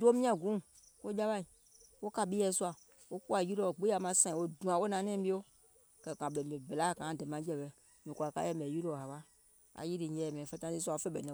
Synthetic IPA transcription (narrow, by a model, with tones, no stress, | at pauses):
do˦mĩ˦ã˦ɡũ˦˨ | wo˦d͡ʒa˦ba˦i˨ | wo˦ka˨bi˦jɛ˦su˦a˨ | wo˦ku˦a˨ji˦ɾo˦˨ɡ͡be˦a˨mã˦sã˦˨wo˦dũ˨a˨wo˦nã˨nɛ̃˦i˦o˦ | kɛ˨kã˨be˨be˨bla˦˨kã˨˦˨de˨mã˨˦d͡ʒɛ˦˨bɛ˨ | mẽ˨ku˨a˨ka̰˦jɛ˦˨mɛ̃˨ji˦ɾo˦˨a˨ba˦ | a̰˨ji˦ɾi˨ɲɛ˨ɛ˨mɛ̃˨fe˦t̪ã˦i˦su˦a˨o˦fe˦bɛ˨nɛ̃˨